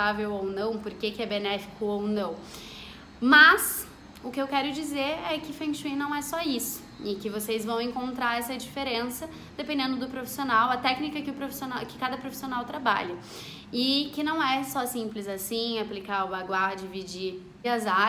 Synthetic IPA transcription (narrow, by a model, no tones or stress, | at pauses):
avewownɐ̃w̃poɾkekɪɛbenɛfi̥kʊownɐ̃w̃ | mɐs | ʊkɪewkɛɾʊd͡ʒizeɾɛkɪfɐ̃ʃĩnɐ̃w̃ɛsɔisʊ̥ | ɪkɪvosezvɐ̃w̃ẽŋkõnt̪ɾaɾɛsɐd͡ʒifeɾẽsɐ | d̪̥epẽnd̪ẽnd̪ʊd̪ʊpɾofi̥sionawɐt̪ɛknikɐkɪʊpɾofi̥sionawkɪ̥kad̪ɐpɾofi̥sionawt̪ɾaba̰ʎɐ | ɪkɪnɐ̃w̃ɛsɔsĩmplɪzasĩaplikaʊbaɡwaɾd͡ʒɪvid͡ʒi | ɐza